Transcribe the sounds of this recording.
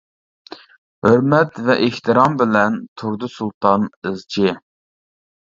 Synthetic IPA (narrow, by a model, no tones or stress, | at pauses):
høɾmɛt̪vɛʔeht̪ʰɨɾɑmbɪlɛnt̪ʰuɾd̪ɨsulˠt̪ʰɑnɨzt͡ʃʰɪ